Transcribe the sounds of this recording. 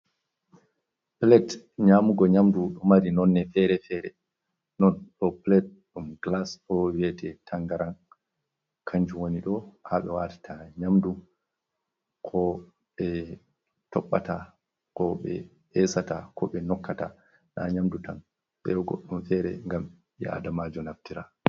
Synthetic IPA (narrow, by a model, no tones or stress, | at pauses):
plɛt | ɲamuɡɔɲamduɗɔmaɾinɔnːɛfɛɾɛfɛɾɛ̰ | nɔnɗɔplɛt̚ɗumɡlasɔwɛtɛtʰaŋɡaɾan | kʰaɲd͡ʒuwoniɗɔhaɓɛ̰watḁtʰaɲamdu | kʰɔ | ɓɛ | tɔɓːata | kɔɓɛ̰ | ɛsatakʰɔɓɛnɔkːata̰ | ɗa̰ɲamdutan | ɓɛɡɔ̰ɗːumfɛɾɛ̰ŋɡam | jɛ̰a̰damad͡ʒɔnaftiɾa